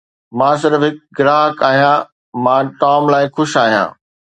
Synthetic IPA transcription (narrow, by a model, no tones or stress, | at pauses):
mãːs̬ɪɾfɦɪk̚ɡɪɾaːɦəkaːɦijãː | mãːʈaːmlaːɪxʊʃaːɦijã̰ː